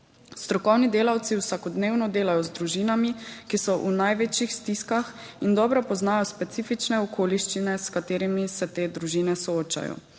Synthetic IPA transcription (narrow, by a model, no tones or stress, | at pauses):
st̪ɾɔkɔwnid̪eːlawt̪siwsakɔd̪neːwnɔd̪eːlajɔzd̪ɾuʒinamikisɔʔṵnajʋeːt͡ʃjixst̪iskax | ind̪ɔːbɾɔpɔznaːjɔspɛt̪siːfit͡ʃnɛɔkʰoːliʃt͡ʃinɛskat̪eːɾimisɛt̪eːd̪ɾuʒiːnɛsɔoːt͡ʃa̰jɔ̰